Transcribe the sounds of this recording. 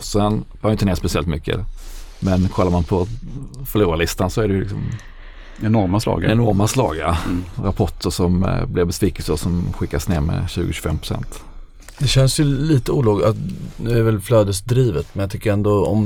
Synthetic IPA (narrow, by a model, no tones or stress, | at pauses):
sɛnfɑɾjʏt̪neːspɛsɪɛlt̪mʏkʰːə̰mɛnkʰɔlːaɾmanpʰɔfœɭuːɾalɪst̪ansɔæɖɛjəlɪ̰ksɔ̰m | ɛnɔɾmaslɑ̰ːɡɛnɔɾmaslɑ̰ːɡaɾapʰɔʈːəʂɔmblɪɾbɛsviːkəlsəɔsɔmɧɪkːasnḛːɾmɛ̰ɕʉ̟̰ːɡʊɕʉ̥fɛmːpʰɾʊ̥sɛ̰nt̪ | d̪ɛɕɛnsjɵliːt̪əuːlɑːɡat̪nʉ̟ːæɾvɛlflœːd̪əsd̪ɾiːvət̪mɛnjɑt̪ʰʏkːəɾɛnd̪oɔ̰m